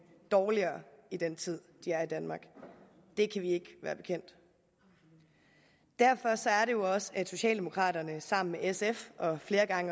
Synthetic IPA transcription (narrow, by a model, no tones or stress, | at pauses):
d̥ɒːliɐːid̥en̰t͡sʰið̞̰ˠd̥iæɐid̥ænmɑ̈ːɡ̥ | d̥e̝kʰæʋie̝ɡ̥ʋæ̰ːɐb̥e̝kʰen̰d̥ | d̥æɐ̰fɒ̽sɒ̽æɐɾe̝jo̝ɒ̽səæ̥so̝ɕɛ̰ːld̥e̝mokʰʁɑ̰̈ːɾɐnəsɑ̈m̰n̩meʔesefɒ̽fle̝ːɐɡ̥ɑ̈ŋə